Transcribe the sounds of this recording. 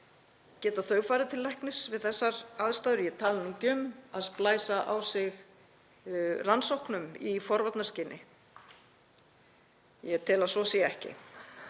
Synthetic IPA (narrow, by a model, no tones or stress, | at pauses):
cɛːt̪aθœːɥɣfaːɾɪt̪ʰɪlːɛhknʏsvɪðθɛsːaɾaðst̪aːðɾjɛt̪ʰaːlnuŋcʏmaðsplaːjsaʔawsɪɣ | ransowhknʏmifɔɾvat̪nascɪnʔɪ | jɛt̪ʰɪːlasɔsjɛɛhcɪ̰